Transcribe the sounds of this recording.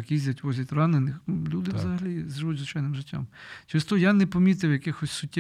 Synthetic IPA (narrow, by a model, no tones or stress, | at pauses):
kizʲdʲɐtʲʋɔzʲɐtʲrɑnenɪxlʲud̪ɪʋzɐɦɐlʲizʒɪʋutʲzʊt͡ʃajnɪmʒɪtʲːa̰mt͡ʃɪst̪ɔjanɛpɔmʲit̪ɪwjɐkɪxɔsʲsʊtʲːɛ